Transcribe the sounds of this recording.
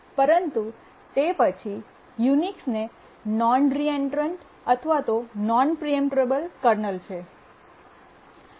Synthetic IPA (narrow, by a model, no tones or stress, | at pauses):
pəɾənt̪u | t̪epət͡ʃʰi | juniksne | nɔnɾieɳʈəɾəɳʈ | ət̪ʰʋat̪onɔnpɾiəmʈɾebəlkəɾnəlt͡ʃʰe